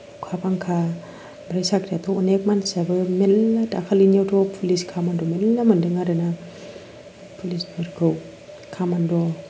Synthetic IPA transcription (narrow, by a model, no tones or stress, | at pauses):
kʰapaŋkʰa | bɾajsakdatʰɔɔnek̚mansabɯmelːadakʰalinjawtɔpʰuliskʰamandɔmelːamandɯŋaɾɯna | pʰulisbɯɾɡʰɯw | kʰamandɔ